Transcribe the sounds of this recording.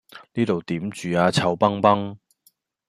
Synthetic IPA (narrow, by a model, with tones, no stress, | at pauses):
niː˥t̪o˨wt̪iː˨˥mt͡ʃyː˨aː˧t͡sʰɐ˧wpɐ˥ŋpɐ˥ŋ